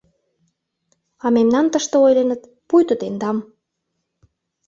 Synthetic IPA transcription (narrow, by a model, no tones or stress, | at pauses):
ɑmemnɑnt̪əʃt̪ɤojlenə̆t̪ | pujt̪ət̪end̪ɑm